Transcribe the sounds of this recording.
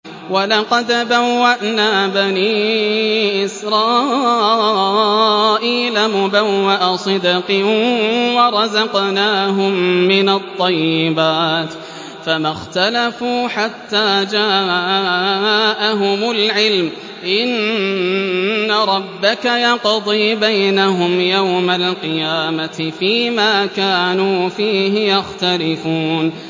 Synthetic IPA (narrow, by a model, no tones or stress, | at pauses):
wɑlɑqɑd̪bawːaʔnaːbaniː | ʔɪsɾˤɑː | ʔiːlamʊbawːaʔasˤɨd̪ɑqɪ | wɑɾˤɑzɑqnaːɦʊmːɪnat̪ˤːɑjːɪbaːt̪ | famaxt̪alafuːħat̪ːaːd͡ʒaː | ʔaɦʊmʊlʕɪlm | ʔɪn | aɾˤɑbːakajɑqd̪ˤiːbajnaɦʊmjawmalqɨjaːmaɪfiːmaːkaːnuːfiːɦɪjaxt̪alɪfuːn